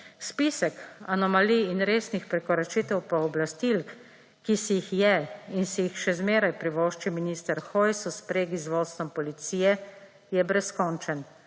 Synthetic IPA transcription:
spiːsəkanɔmaliːnɾeːsnixpɾɛkɔɾat͡ʃit̪ɛwpɔɔblast̪ilk | kisijixjɛinsijixʃɛzmeːɾajpɾiʋoːʃt͡ʃiminiːst̪əɾxɔjsuspɾeːɡizʋoːst̪ʋɔmpɔlit̪siːjɛ | jɛbɾɛskɔnt͡ʃən

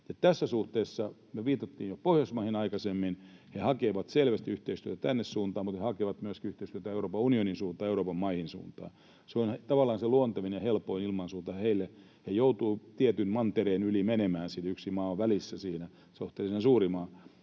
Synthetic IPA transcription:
jɑt̪æsːæsuht̪eːsːɑmyøʋiːt̪ɑt̪ːiːjjopohjɑsmɑhinɑikɑsemːinhehɑkeːʋɑt̪selʋæst̪iyht̪eist̪yøt̪æt̪ænːessuːnt̪ɑːmut̪hehɑkeːˑʋɑt̪myøskiyht̪eist̪yøt̪æeuɾoːpɑunioninsuːnt̪ɑːeuɾoːpɑmmɑihinsṵːnt̪ɑ̰ː | seont̪ɑʋɑlːˑɑːnseluont̪ɑʋinejɑhelpoinilmɑnsuːnt̪ɑheilːe | hejout̪uːt̪iæt̪ynmɑnt̪eɾeːnylimenemæːnsinyksimɑːoʋʋælisːæsiːnæ | seoht̪ːelisensuːrimɑː

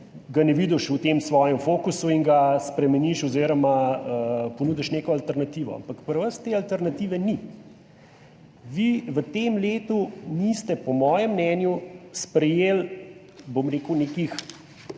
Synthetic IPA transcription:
ɡanɛʋiːd̪ɔʃut̪emsʋɔːjɛmfoːkusuiŋɡaspɾɛmɛniʃɔziːɾɔmaəponuːd̪ɛʃnekɔalt̪ɛɾnat̪iʋɔ̰a̰mpakpəɾʋəst̪eːalt̪ɛɾnat̪iːʋɛni | ʋiʋət̪emleːt̪unist̪ɛpɔmɔːjɛmːnɛnjuspɾɛjeːl | bomɾeːkuneːkix

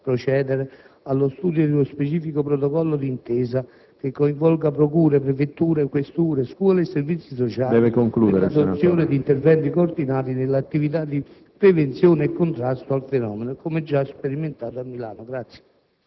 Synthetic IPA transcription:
pɾot͡ʃɛːd̪ɛɾe | alːost̪uːd̪jod̪ɪlospet͡ʃiːfikopɾɔt̪ɔkɔlːod̪int̪ɛːza | k̟ekːoiɱvɔlɡapɾokuːɾepɾefet̪ːuːɾekwest̪uːɾeskwɔːleɛsːervit̪sːisɔt͡ʃaːd̪ɛvekoŋkluːd̪eɾsosːjoːned̪iːnt̪ɛrvɛnt̪ikoːrd̪inaːɾinɪlːat̪ːivit̪̬ad̪ːi | pɾevent̪sjoːnɛkːont̪ɾast̪oalfɛnɔːmenokomɛd͡ʒːaspeɾiment̪aːt̪oamːilaːnoɡɾat̪sːje̥

